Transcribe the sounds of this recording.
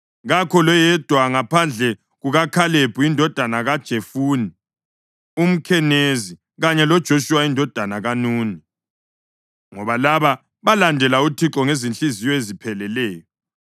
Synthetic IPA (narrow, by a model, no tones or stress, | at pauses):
ɣakʰɔlɔjɛd̥ʱwaŋapʰand͡ɮʱɛ | ɣuɣakʰaleb̥ʱuindʱɔd̥ʱanaɣad̥ʒ̥ʱefuːni | um̩kʰɛnezi | ɣaɲɛlɔd̥ʒ̥ʱoʃuwaindʱɔd̥ʱanaɣanuːni | ŋɔβalaβa | βalandʱɛlautʰiǁɔŋezinɬizijɔezipʰɛlɛlɛːjɔ